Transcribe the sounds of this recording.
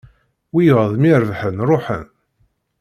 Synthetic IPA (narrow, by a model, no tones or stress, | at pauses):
wijəʁðˤmiɾəvħənɾˤoħə̰n